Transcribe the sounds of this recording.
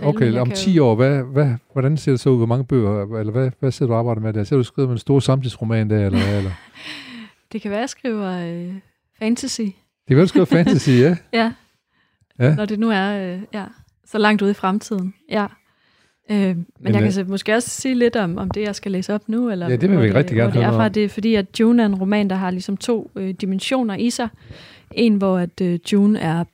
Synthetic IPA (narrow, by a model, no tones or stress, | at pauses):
oʊkʰeɒ̽mt͡sʰḭːɒ̰ːʋæʋæʋɒdɾænse̝̰ːɐd̥usɒ̽uð̰ˠʋɒmɑ̈ŋəb̥ø̰ːɐelɐʋæʋæse̝ɐ̰d̥uɑːb̥ɑɪd̥ð̩ˠmed̥æɐse̝ɐd̥usɡ̥ʁiːʊmedensd̥o̝ːɐsɑ̈mt͡sʰisʁo̝mɛ̰ːnd̥æɐelɐelɐ | d̥e̝kʰæʋæɐjɐsɡ̥ʁḭːʊɐø | fænt͡sʰæsi | d̥ekʰæʋæɐduɡ̥iːɐffænʰæsiæjæ | jænɒd̥enuæɐøjæ | sɒ̽lɑ̈ŋ̰d̥uð̞̰ˠifʁamt͡sʰið̰ˠn̩jæ | ømennjɑ̈kʰæsmɔ̽sɡ̥e̝ːɒ̽ssiːle̝d̥ɒ̽mɒ̽md̥e̝jɑ̈ɪsɡ̥ælḛːsɒ̽b̥nuelɐjæd̥eʋeʋiɡʁɛɡd̥iɡ̥æɐ̰nnhfʁɑ̈d̥e̝fɒ̽d̥ḭːæd̥̚d̥juːnæɐe̝nʁo̝mɛ̰ːnd̥ɑ̈ɦɑ̈lisɒ̽mt͡sʰo̝̰ːød̥imenɕo̝̰ːnɐʔisɑ̈ɪ | ʔe̝nʋɒæd̥ød̥juːnæɐ